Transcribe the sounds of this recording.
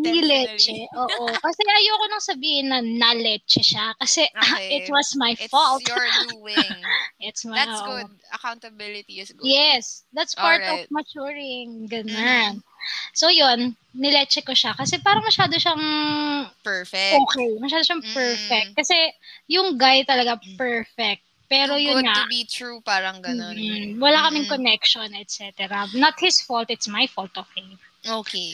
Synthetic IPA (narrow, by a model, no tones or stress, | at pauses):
nɪlɛt͡ʃɛʔoːʔʔokɐsɛʔɐjoɐkonɐŋsɐbiːhɪnːɐnɐlɛt͡ʃɛʃakɐsɛɪt̪wɐsmajfɔlt̪ | ɛt̪smoːʔo | katbjɛsd̪ɐt̪spaɹt̪ɔfmɐt͡ʃuːɹɪŋɡɐnonsojonː | ɪlɛt͡ʃɛkoʃakɐsɛpaːɾɐŋmɐʃaːd̪oʃaŋ | pɛɹfɛʔoːkɛjmɐʃaːd̪oʃaŋpɛɹfɛk̚t̪̚kɐsɛjʊŋɡajt̪ɐlɐɡapɛɹfɛk̚t̪̚pɛːɾojʊŋabit̪ɹupaːɾɐŋɡɐːwɐlakɐmɪŋkonɛk̚ʃonɛt̪̚sɛt̪ɛɾɐnɐt̪̚hɪsfolt̪ɪt̪smɐjfɔlt̪ɔv̥feɪm | oke